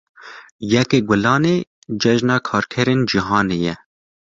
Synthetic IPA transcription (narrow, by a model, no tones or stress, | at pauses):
jɛkeːɡʷʊlɑːneː | d͡ʒɛʒnɑːkʰɑːɾkʰɛɾeːnd͡ʒiɦɑːneːjɛ